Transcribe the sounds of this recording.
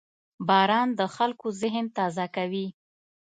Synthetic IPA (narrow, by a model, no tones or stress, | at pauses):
bɑɾɑnd̪əxalkozɪɦnt̪ɑzakawi